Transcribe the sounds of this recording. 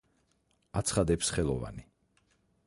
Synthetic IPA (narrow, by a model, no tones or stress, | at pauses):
at̪sʰχad̪ɛpsχɛlˠɔva̰ni